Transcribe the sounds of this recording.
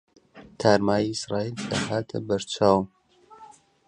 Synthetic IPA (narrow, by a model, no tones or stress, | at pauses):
t̪ʰaːɾmaːjiisɾaːild̪ahaːt̪ʰə̰bɐɾt͡ʃʰaːw